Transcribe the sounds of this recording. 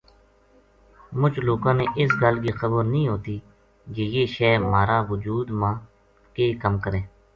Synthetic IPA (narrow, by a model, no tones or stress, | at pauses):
mʊt͡ʃloːkãːneːʔɪsɡəlɡiːxəbəɾnəĩːɦoːt̪iː | d͡ʒejeːʃɛːmaːɾaːʋʊd͡ʒuːd̪mãː | keːkəmkəɾẽː